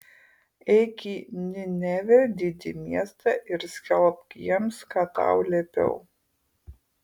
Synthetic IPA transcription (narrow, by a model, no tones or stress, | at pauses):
ɛɪkʲiːnʲɪnʲɛʋʲɛd̪ʲɪd̪ʲɪmʲiɛst̪ɑˑʔɪɾsʲkʲɛlˠpkʲiɛmskɑt̪ɑ̰ʊlʲɛːpʲɛ̰ʊ